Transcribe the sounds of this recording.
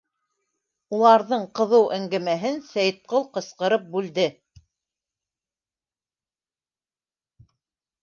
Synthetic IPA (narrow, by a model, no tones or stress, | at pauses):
ulˠɑɾðɤɴqɤ̆ðɤwʔæŋɡæmæɦɘnsæjt̪̚qɤlˠqɤ̆sqɤ̆ɾɤp̚bʉld̪ɘ